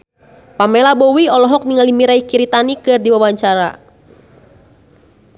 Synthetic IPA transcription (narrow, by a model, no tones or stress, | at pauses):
pamɛlabɔwiɔlɔɦɔk̚niŋalimiɾaikiɾit̪anikɨrdiwawaɲt͡ʃaɾa̰